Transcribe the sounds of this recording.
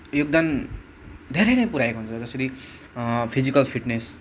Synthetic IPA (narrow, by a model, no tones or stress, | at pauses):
joɡ̚d̪an | d̪ʱeɾejnʌjpuɾajekoɦunt͡sʰʌd͡zʌsʌɾi | pʰizikʌlpʰiʈnes